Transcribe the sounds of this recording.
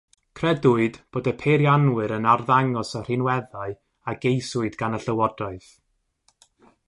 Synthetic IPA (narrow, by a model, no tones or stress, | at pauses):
kʰrɛdʊɨdb̥oːdɛpʰeɾjanwɨɾənarðaŋɔsər̥ɪnwɛðaɨ | aɡejsʊɨdɡanəɬəwɔdaɨθ